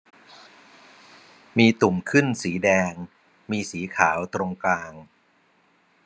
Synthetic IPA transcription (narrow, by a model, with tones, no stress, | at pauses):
miː˧t̪u˨˩mkʰɯ˥˩nsiː˩˦dɛː˧ŋ | miː˧siː˩˦kʰaː˩˦wt̪ɾo˧ŋklaː˧ŋ